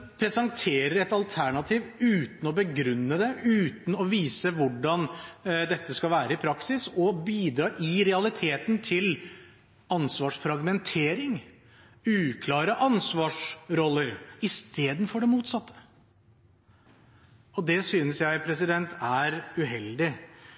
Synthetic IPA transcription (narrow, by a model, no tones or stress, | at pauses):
pʰɾɛsɑŋt̪ʰeːɾəɾɛt̪ɑlt̪ʰæɳɑt̪ʰiːʋʉːt̪n̩ɔbəɡɾʉnːəd̪ɛʉːt̪n̩ɔʋiːsəʋʊɖɑnd̪ɛt̪ːəskɑlʋæːɾəɪpʰɾɑksɪsɔbiːd̪ɾɑːɾʔɪɾɛɑlɪt̪ʰeːt̪nt̪ʰɪl | ɑnsʋɑːʂfɾɑɡmɛnt̪ʰeːɾɪŋ | ʉːkʰlɑːɾəʔɑnsʋɑːʂɾɔlːəɾɪst̪eːd̪nfɔɖɛmuːt̪sɑt̪ʰːə̥ | ɔd̪ɛsyːnəsjæɪpʰɾɛsɪd̪ɛnt̪ʰæɾʉɦɛld̪ɪ